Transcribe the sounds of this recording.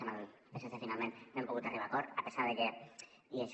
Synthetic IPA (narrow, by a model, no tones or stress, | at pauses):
amalpesesefinalmẽnnoempoɣut̪ariβakoɾapesaɾðeke | iaʃ